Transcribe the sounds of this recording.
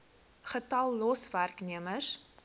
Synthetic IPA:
χətɐlˠːɔsværkniəməs

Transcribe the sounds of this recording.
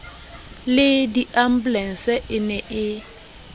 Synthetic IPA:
lɪdiʔam̩blɛn̩sɛʔɪnɛʔɪ

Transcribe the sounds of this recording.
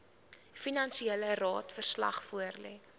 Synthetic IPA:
finɐnsiɛlərɑːtfərslɐ̰χfuərlɛː

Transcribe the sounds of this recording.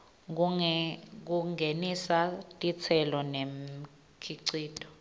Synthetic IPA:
k̬uŋʱenisatʼit͡sʰɛlɔnem̩ | kʰiǀiːtʼɔ̥

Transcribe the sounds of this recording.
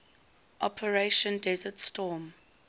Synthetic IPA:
ʔɔpʰəɹeʃə̃ndɛzətstɔːm

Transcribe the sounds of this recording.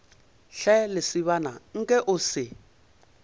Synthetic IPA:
ɬɛlɪsɪβanaŋ̩kʼɛʔʊsɪ

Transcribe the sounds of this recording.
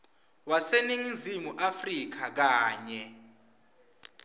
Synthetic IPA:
waseniŋizimuʔafrik̬ak̬aːɲɛ

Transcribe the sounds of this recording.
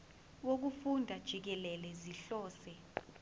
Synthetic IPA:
wok̬ufundʱad̥ʒ̥ʱik̬ɛlɛlɛziɬɔːsɛ

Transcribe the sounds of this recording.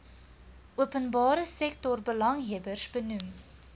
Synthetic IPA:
ʔuəpənbɑːɾəsɛk̚tɔrbəlɐŋɦiəbərsbənum

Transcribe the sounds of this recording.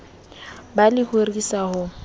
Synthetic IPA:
balɪhorisahʊ

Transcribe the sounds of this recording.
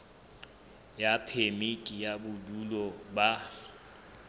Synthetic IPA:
japʰemikʼijabʊdulɔba

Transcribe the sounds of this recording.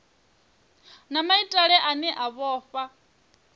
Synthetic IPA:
namaitʼaɺɛʔanɛʔaβɔːfa

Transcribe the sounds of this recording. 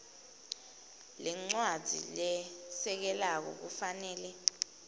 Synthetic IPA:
lɛŋ͡ǀwadd͡z̥ʱḭlɛsɛk̬ɛlak̬ɔ̰k̬ufanɛːlɛ

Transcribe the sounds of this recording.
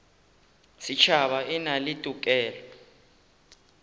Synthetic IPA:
sit͡ʃʰaɓainalitʼukʼɛːlɔ

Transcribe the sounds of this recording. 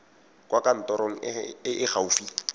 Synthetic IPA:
kʼwakan̩tɔɾoŋ̩ɪ̰ɪʔɪχaufi

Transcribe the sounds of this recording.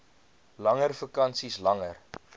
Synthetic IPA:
lɐŋərfəkɐnsislɐŋər

